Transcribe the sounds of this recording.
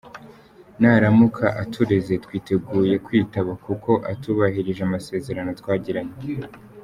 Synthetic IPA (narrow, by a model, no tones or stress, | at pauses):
naɾamukʰaʔatʰuɾe̞ze̞tkwiːte̞ɡuːje̞kwiːtaβakuko̞ʔatuβahiɾiʒeamase̞ːze̞ɾano̞twaːɟiɾaɲe